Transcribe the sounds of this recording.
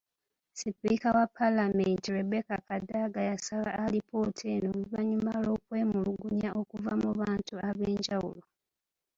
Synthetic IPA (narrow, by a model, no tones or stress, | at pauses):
sipikawapʰːalamentiwebekakadaɡajasalaːlipo̞ːtʰenomiβaɲumalo̞ːkwe̞ːmuluɡuɲaʔo̞kuvamuβaːntuaβe̞ːɲɟawṵlo̞